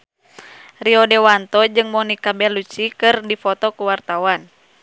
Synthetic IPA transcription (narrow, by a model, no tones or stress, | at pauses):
riɔdɛwant̪ɔd͡ʒɨŋmɔnikabɛlut͡ʃikɨrdifɔt̪ɔkuwart̪awan